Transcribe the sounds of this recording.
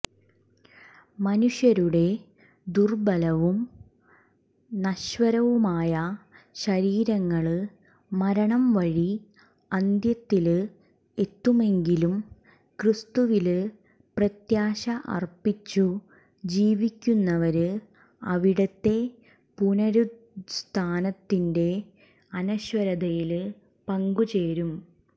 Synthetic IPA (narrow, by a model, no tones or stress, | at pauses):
mɐnuɕjɐɾuɽe̞ | d̪urbɐlɐʋum | nɐɕʋɐɾɐʋumaːjɐɕɐɾiːɾɐŋːɐɭɨ | mɐɾɐɳɐmʋɐɻi | ɐnd̪jɐt̪ːilɨ | e̞t̪ːume̞ŋɡilum | krɨst̪uʋil | prɐt̪jaːɕɐʔɐ̰rpit͡ɕːu | d͡ʑiːʋikʲːunːɐʋɐɾɨ | ɐʋiɽɐt̪ːe̞ | punɐɾu | st̪ʰaːnɐt̪ːinde̞ | ɐnɐɕwɐɾɐd̪ɐjil | pɐŋɡut͡ɕe̞ːɾum